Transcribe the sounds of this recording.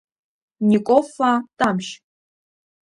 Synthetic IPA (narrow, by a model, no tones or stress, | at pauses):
nikʷʼɔfatʼaːmʃ